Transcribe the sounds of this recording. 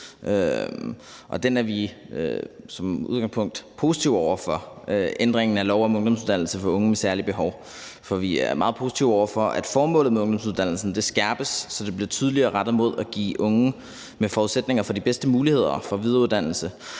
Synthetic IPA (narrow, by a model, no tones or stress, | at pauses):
ʔø | ʔɒ̽d̥enæɐʋi | øsɒ̽muðˠɡɑ̈ŋspʰɔ̽ŋ̰d̥pʰo̝si̥t͡sʰiʊɒʊ̰ɐfɒ̽ | ʔend̥ʁeŋn̩ælɒʊɒmɔ̽ŋd̥ɒ̽ms̬uðˠdænl̩səfɒ̽ɔ̽ŋəmesæɐlib̥e̝ɦɒʊ | fɒ̽ʋiæɐmɑ̈ːð̩ˠpʰo̝ːsi̥t͡sʰiʊɒʊɐfɒ̽ʔæd̥fɒːmɔ̽lð̩meɔ̽ŋd̥ɒ̽msuð̞ˠd̥æn̰l̩sn̩d̥e̝sɡ̥æɐb̥əsːɒ̽d̥e̝b̥liɐt͡sʰyːð̞ˠəliɐːʁɑ̈d̥ð̩ˠmo̝ð̞̰ˠæɡ̥ḭːʔɔ̽ŋə | mefɒːuðˠsed̥ne̝ŋɐfɒ̽dib̥esd̥əmuːlihe̝ð̰ˠɐfɒ̽ʋið̞ˠɐuðˠd̥æn̰l̩sə